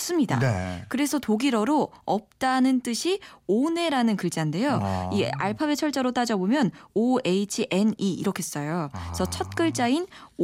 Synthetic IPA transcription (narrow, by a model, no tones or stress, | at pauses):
s͈ɯmɲida̰kɯɾe̞sʰʌtoɡiɾʌɾoʌp̚t͈anɯnt͈ɯɕʰione̞ɾanɯnkɯɭd͡ʑande̞joia̰ɭpʰabet͡ɕʰʌɭt͡ɕ͈aɾot͈ad͡ʑʌbomjʌnoeit͡ɕʰiʔe̞niiɾʌkʰees͈ʌjosʰʌt͡ɕʰʌt̚k͈ɯɭt͡ɕ͈ain